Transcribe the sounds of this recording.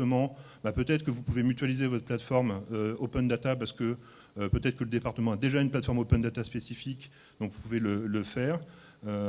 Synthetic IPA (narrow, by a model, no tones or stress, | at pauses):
əmɑ̃ | bapøt̪ɛt̪χəkəvupuvemyt̪ɥalizevɔt̪χəplat̪fɔʁmøopɛnd̪at̪ap̬aʁsə̥kəː | pøt̪ɛt̪χəkələd̪epaʁt̪əmɑ̃ad̪eʒaynplat̪fɔʁmopɛnd̪at̪aspesifik | d̪ɔ̃ŋkvupuvelələfɛːʁ | ø